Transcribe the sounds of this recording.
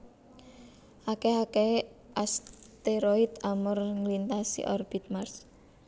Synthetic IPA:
ʔakeake | ʔast̪eɾɔit̪amʊrŋlint̪asḭʔɔrb̥it̪̚mars

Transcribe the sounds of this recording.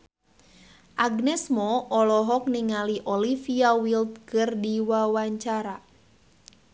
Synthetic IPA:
ʔaɡnɛsmɔɔlɔɦɔk̚niŋaliʔɔlifiawilt̪̚kɨrdiwawaɲt͡ʃaɾa

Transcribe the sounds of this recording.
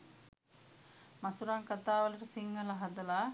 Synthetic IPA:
mɐsuɾaːŋkat̪aːʋɐlɐʈəsiŋːɐlɐɦɐd̪ɐlaː

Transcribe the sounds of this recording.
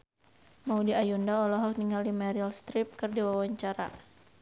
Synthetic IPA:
maudiajundaɔlɔɦɔk̚niŋaldimaɾilst̪ɾip̚kɨrdiwawaɲt͡ʃaɾa̰

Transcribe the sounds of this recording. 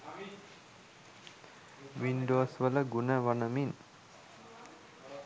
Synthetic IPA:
ʋinɖoːsʋələɡunəʋanəmin

